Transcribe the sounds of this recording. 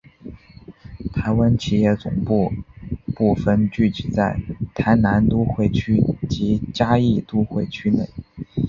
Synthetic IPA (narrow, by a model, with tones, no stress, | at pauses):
t̪ʰa˧˥ɪwa˥nt͡ɕʰi˥˩jɛ˥˩t͡sʊ̰˨˩ŋpu˥˧pu˥˩fə˥˧nt͡ɕy˥˩t͡ɕi˧˥˩t͡sa˥˩ɪt̪ʰa˧˥ɪna˧˥nt̪u˥xwe˥˩ɪt͡ɕʰy˥t͡ɕi˧˥t͡ɕja˥i˥˩t̪u˥xwe˥˩ɪt͡ɕʰy˥ne˥˩ɪ